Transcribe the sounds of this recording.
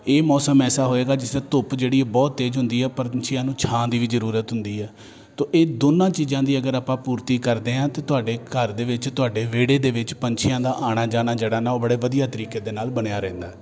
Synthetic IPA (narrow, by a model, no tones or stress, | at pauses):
eːmɔːsəmɛːsaːɦoːeːɡaːd͡ʒɪsd̪aːt̪ʊpd͡ʒeːɽiːɛbɔːt̪ːeːd͡ʒɦʊnd̪iːɦɛːpəɾnt͡ʃʰɪjãːnũːt͡ʃʰãːd̪iːʋiːzəɾuːɾət̪ɦʊnd̪iːɛː | t̪õːʔeːd̪oːnãːt͡ʃiːzãːd̪iːəɡəɾaːpãːpuːɾt̪iːkəɾd̪eːãːt̪eːt̪ʊaːɖeːkəɾd̪eːʋɪt͡ʃt̪ʊaːɖeːʋeːɽeːd̪eːʋɪt͡ʃpəɲt͡ʃʰɪjãːd̪aːʔaːɽ̃aːd͡ʒaːnaːd͡ʒeːɽaːnaːoːbəɽeːʋəd̪ijaːt̪əɾiːkeːd̪eːnaːlbəɽejaːɾɛ̃ːnd̪aː